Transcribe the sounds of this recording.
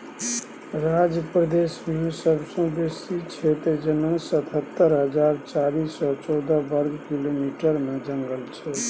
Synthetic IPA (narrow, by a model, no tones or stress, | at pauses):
ɾad͡ʒəpɾəd̪esmẽsəbsə̃besit͡ʃʰɛt̪d͡ʒənə̃sət̪ʰɦət̪ːəɾɦəd͡ʒaɾt͡ʃaɾisɔt͡ʃɔd̪əbəɾɡkilomiʈəɾmẽd͡ʒə̃ŋɡəlt͡ʃʰɛ